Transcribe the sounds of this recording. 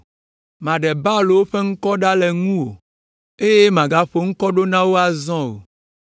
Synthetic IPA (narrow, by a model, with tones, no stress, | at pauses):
mã˨ɖɛ˨ba˦lo˨wo˦ɸe˦ŋ̩˦kɔ˦ɖa˦lɛ˨ŋũ˦wo˨ | e˦je˦mã˨ɡa˦ɸo˨ŋ̩˦kɔ˦ɖo˦nã˦wo˦a˦zɔ̃˦o̰˨